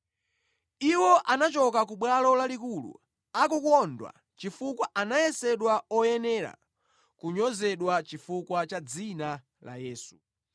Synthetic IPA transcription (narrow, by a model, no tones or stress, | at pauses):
iwɔʔanat͡ʃɔkak̬uɓwalɔlalikulṵ | akukwɔndwa̰ | t͡ʃifukwaʔanajɛsɛɗwaɔjɛnɛɾa̰ | kuɲɔzɛɗwat͡ʃifukwat͡ʃad͡zina | la̰jɛːsu̥